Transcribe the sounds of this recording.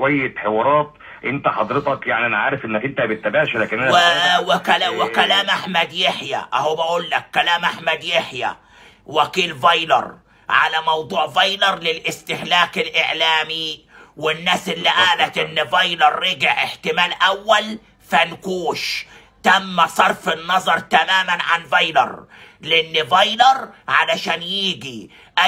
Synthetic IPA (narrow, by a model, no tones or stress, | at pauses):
wæjːet̪ħewɑːɾˤɑːt̪ | ʔɪnt̪æħɑd̪ˤɾet̪ˤɑkjaʕniʔænʕaːɾɪfʔenːækʔɪnt̪æbɪt̪ːæbaʕʃlæːkɪnʔænwɪkælwɪkælaːmʔaħmæd̪jeħjæ̰ʔhowbæʔuːlːækːælaːmʔaħmæd̪jeħjæ̰ | wækiːlvɑjlɑ̰ɾˤ | ʕa̰læmɑwd̪ˤuːʕvɑjlɑɾˤlɪlʔɪst̪ɪhlaːkɪlʔeʕlaːmi | wɪnːaːsʔɪlːiʔaːlæt̪ʔɪnːɪvɑjlɑɾˤːɪɡɪʕɪħt̪ɪmaːlʔæwːæl | fænkuːʃ | t̪æmːæsˤɑɾˤfɪnːɑzˤɑɾˤt̪amaːmanʕanvɑjlɑ̰ɾˤlʔɪnːɪvɑjlɑɾˤʕalaʃaːnjiːɡi | ʔæ